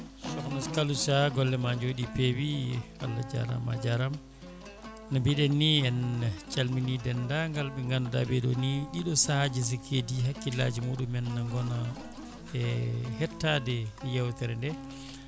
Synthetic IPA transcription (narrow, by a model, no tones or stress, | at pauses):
sɔkɔnaskalusaɡɔlːɛmaɲd͡ʒoɗipewia̰lːad͡ʒa̰ɾa̰ma̰d͡ʒaɾam | nabiɗɛnːiɛnt͡ʃalminidɛndaŋɡalɓɛŋɡanɔda̰bɛɗɔ̰niɗiɗɔsahad͡ʒis̬ikʰediɦakːila̰d͡ʒimuɗumɛnːaŋɡɔna | ɛhɛtːadɛjawtɛɾɛndɛ